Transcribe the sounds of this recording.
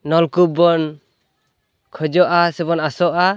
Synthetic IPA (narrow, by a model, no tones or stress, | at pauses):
nɔlkubɔn | kʰɔd͡ʒɔʔasɛbɔnasɔʔa